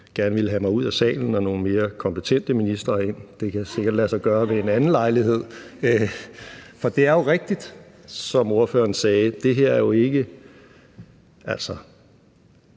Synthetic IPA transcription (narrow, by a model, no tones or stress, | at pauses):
ɡ̥æɐnəʋe̝ləɦæmɑ̈ɪuð̰ˠæsɛ̰ːln̩ɒno̝ːn̩me̝ːɐkʰɒ̽mpʰət͡sʰen̰d̥əminisd̥ʁɐːe̝n̰d̥e̝kʰæse̝ɡ̥ɐd̥læsɑɪɡ̥ɶːɐʋe̝enænn̩lɑ̈ɪliɦe̝ð̰ˠ | fɒ̽d̥e̝æɐjo̝ʁeɡ̥̚d̥id̥ | sɒ̽mo̝ɐfø̰ːɐn̩sɛːd̥e̝ɦe̝ɐ̰æɐjo̝e̝ɡ̥ə | ʔæl̰sɒ